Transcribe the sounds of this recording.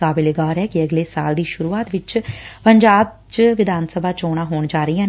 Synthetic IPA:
aːbɪleɡaːɾɛːkiəɡleːsa̰ːld̪iːʃʊɾuːaːt̪ʋɪt͡ʃpəɲd͡ʒaːb̚ | t͡ʃʋɪd̪ʱaːnsəbʱaːt͡ʃoːɽ̃aːɦoːɳd͡ʒaːɾəijãː

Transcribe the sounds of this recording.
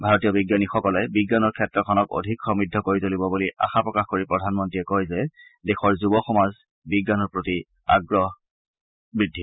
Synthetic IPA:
bʱaɹɔtijɔbiɡjanixɔkɔlɛbiɡːanɔɹkʰɛtɹɔkʰɔnɔko̰dʱikxɔmɹidʱːɔkoɹitolibɔbuliʔa̰xapɹɔkaxkoɹipɹɔdʱanmɔntɹiɛkojzɛdexɔɹzubɔxɔmaz | biɡːanɔɹpɹoti | a̰ɡɹɔɦ | bɹidʱi

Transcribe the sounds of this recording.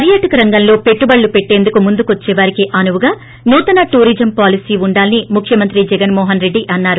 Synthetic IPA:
pɐɾjaːʈɐkɐɾɐŋɡɐnlo̞ːpe̞ʈːubɐɭːupe̞ʈːe̞ːnd̪ukumund̪ukuʋɐt͡ʃːɛːʋaːɾikiʔɐnuʋuɡaː | nuːt̪ɐnaʈuːɾiːd͡ʒɐmpaːlisiːʋuɳɖaːlinimukʰjɐmɐnt̪ɾid͡ʒɛɡɐnmɔːɦɐnɾe̞ɖːiʔɐnːaːɾu

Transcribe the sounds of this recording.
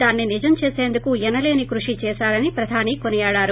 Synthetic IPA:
aːnːinid͡ʒɐmt͡ʃeːse̞ːnd̪ukuɛnɐle̞ːnikɾuʂit͡ʃɛːsaːɾɐnipɾɐd̪ʱaːniːkonijaːɭaːɾu

